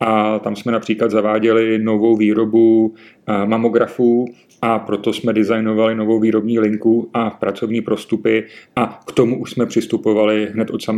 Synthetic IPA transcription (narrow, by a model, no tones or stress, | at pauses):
ʔat̪amsmɛnapr̥iːklad̪zavaːɟɛlɪno̞vo̞wviːɾo̞bu | mamo̞ɡɾafuː | ʔapɾo̞t̪o̞smɛdɪzajno̞valɪno̞vo̞wviːɾo̞bɲiːlɪŋkuʔapɾat͡so̞vɲiːpɾo̞st̪upɪʔakt̪o̞muʔuʃsmɛpr̝̥ɪst̪upo̞valɪɦnɛt̪ʔo̞t̪sam